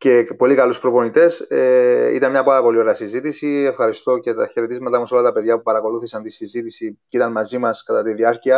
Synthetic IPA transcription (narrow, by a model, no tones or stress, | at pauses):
ce̞po̞likɐluspɾopo̞nit̪e̞s | ḭt̪ɐnmɲɐpɐɾɐpo̞lio̞ɾeɐsizit̪isie̞fxɐɾist̪o̞ce̞t̪ɐçe̞ɾe̞t̪izmɐt̪ɐmɐso̞lɐt̪ɐpe̞ðʝɐpupɐɾɐko̞luθisɐnt̪isizit̪isicit̪ɐnmɐzimɐskɐt̪ɐt̪iðiɐɾciɐ